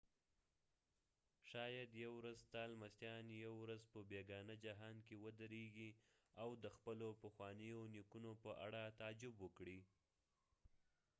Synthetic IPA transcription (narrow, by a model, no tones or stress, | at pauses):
ʃɑjad̪jawɾazt̪ɑlmast̪jɑnjawɾazpəbeɡɑnəd͡ʒaɦɑnkewəd̪əɾeɡiawd̪əxpəlopəxwɑnəjonikunopəʔaɽat̪ad͡ʒɪbwəkɽi